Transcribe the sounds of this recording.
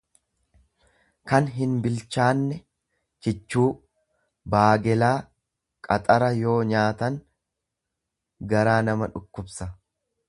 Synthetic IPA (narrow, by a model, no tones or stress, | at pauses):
kɐnɦɪnbɪlt͡ʃːaːnːɛ | t͡ʃɪt͡ʃːuː | baːɡɛlaː | kʼɐt̪ʼɐɾɐjo̞ːɲaːt̪ɐŋ | ɡɐɾaːnɐmɐᶑʊkːʊbsɐ